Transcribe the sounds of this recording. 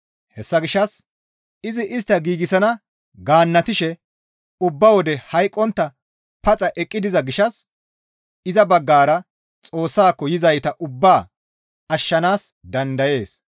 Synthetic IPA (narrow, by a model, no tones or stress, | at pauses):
hɛsːɐɡɪʃɐs | ɪzɪʔɪst̪ːɐɡiːɡɪsɐnɐ | ɡaːnːɐt̪ɪʃɛ | ʊbːɐwɔd̪ɛhɐjkʼːɔnt̪ːɐ | pɐt͡sʼɐʔɛkʼːɪd̪ɪzɐɡɪʃɐs | ɪzɐbɐɡːaːɾɐ | t͡sʼo̞ːsːaːkːɔjɪzɐjt̪ɐʔʊbːaː | ɐʃːɐnaːsd̪ɐnd̪ɐje̞ːs